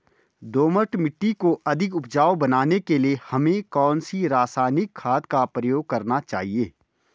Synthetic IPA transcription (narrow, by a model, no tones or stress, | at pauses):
d̪oːməʈmɪʈːikoʔɐd̪ʱɪkʊpd͡ʒaːobɐnaːnekeliehɐmẽkɔːnsiɾaːsaːnɪkʰːaːd̪kapɾɐjoːɡ̚kɐɾnat͡ʃa̰ːɦieː